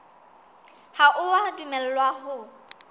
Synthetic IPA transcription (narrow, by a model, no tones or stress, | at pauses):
haʔʊwadimɛl̩lwaɦʊ